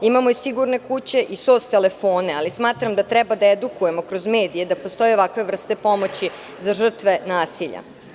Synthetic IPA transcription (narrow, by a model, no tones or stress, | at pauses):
imamo̞isiɡuɾne̞kut͡ɕe̞ʔisoːst̪ele̞foːne̞alismaːt̪ɾamd̪at̪ɾɛbad̪aed̪ukuje̞mo̞kɾozme̞ːd̪ije̞d̪apo̞st̪o̞jeo̞ʋakʋe̞ʋvr̩st̪e̞po̞mot͡ɕi | zaʒr̩t̪ʋe̞naːsiʎa̰